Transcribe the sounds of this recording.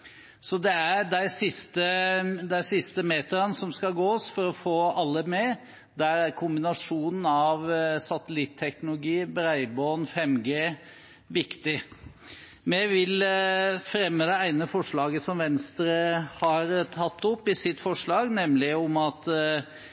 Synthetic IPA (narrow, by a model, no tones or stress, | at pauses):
sɔd̪ɛæɾɖæɪsɪst̪əd̪æɪsɪst̪əmeːt̪əɾənsɔmskɑɡoːsfɔɾɔfoːɑlːəmɛ | d̪æɾæɾkʰʊmbɪnɑʂuːnn̩ɑʋsɑt̪əlɪt̪ʰːɛknʊlʊɡiːbɾæɪbɔnfɛmɡeː | ʋɪkt̪ɪ | mɛʋɪlfɾɛmːəd̪ɛæɪnəfɔʂɭɑːɡəsɔmʋɛnst̪ɾəhɑɾt̪ʰɑt̪ːɔpːɪsɪt̪ːfɔʂɭɑːɡnɛmlɪʊmɑt̪